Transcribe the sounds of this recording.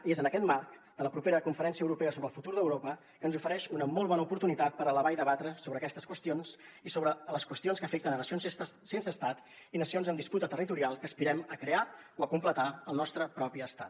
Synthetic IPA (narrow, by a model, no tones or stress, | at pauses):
iezənəkɛt̪markd̪̥ələpɾupeɾəkuɱfəɾɛnsiəwɾupɛəsoβɾəlˠfut̪uɾðəwɾopə | kənzufəɾɛʃunəmɔlˠβɔnəupuɾt̪unit̪at̪̚pəɾələβaiðəβ̞at̪ɾəsoβɾəːkɛst̪əskwəst̪ijonsisoβɾələskwəst̪ionskəfek̚t̪ənənəsionssensəːst̪at̪ | inəsionzəmd̪isput̪ət̪ərit̪uɾialˠkəːspiɾɛməkɾeaoəkumplət̪aəlˠnɔst̪ɾəpɾɔpiəst̪at̪